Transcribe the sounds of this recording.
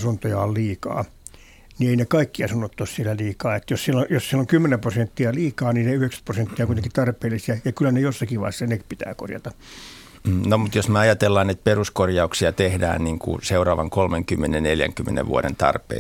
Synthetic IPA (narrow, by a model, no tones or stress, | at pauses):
sunt̪ojɑolliːkɑ̰ː | nieinekɑikːiɑsunːot̪ːossielæliːkɑːet̪ːjossielːojossieloŋkymːenemprosent̪ːiɑliːkɑːniːneyheksæ̥t̪prosent̪ːiɑkuit̪eŋkit̪ɑrpeːlːˑisiɑjɑkylːænejosːɑkilɑ̰ihsːɑnekpit̪æ̰ːko̰rjɑ̰t̪ɑ | nomut̪josmeɑjɑt̪elːɑːnet̪̚peruskorjɑuksiɑt̪ehdæ̰ːnniːŋkṵseurɑːʋɑŋkolmeŋkymːenenneljæ̰ŋkymːenḛʋʋṵoɾḛnt̪ɑ̰rpḛ